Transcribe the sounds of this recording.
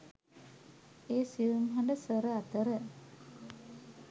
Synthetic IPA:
eːsiʋumɦaɳɖəsəɾəat̪əɾə

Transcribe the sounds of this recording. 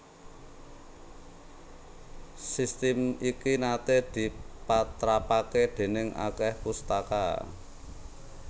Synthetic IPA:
sist̪ɪmikinat̪ehd̪̥i̤pat̪ɾapaked̪̥e̤nɪŋa̰kɛhpust̪aka̰

